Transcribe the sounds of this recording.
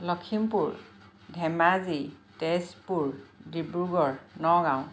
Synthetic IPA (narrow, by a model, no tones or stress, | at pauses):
lɔkʰimpuɹ | dʱɛmazitespuɹdibuɹɡɔɹnɔɡãw̃